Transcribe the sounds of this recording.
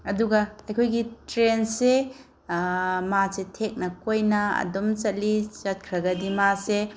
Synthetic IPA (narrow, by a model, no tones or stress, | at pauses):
ɐduɡɐɐjkʰojɡitɾense | masetʰek̚nɐkojnɐɐ̰domt͡ʃɐtlit͡ʃɐt̚kʰɾɐɡɐdimase